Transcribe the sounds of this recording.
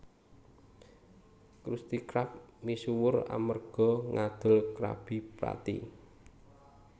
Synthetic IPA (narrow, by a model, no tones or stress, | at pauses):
kɾust̪ikɾap̚misuwʊra̰mərɡ̥ɔ̤ŋad̪̥ə̤lkɾa̰b̥i̤pɾa̰t̪ḭ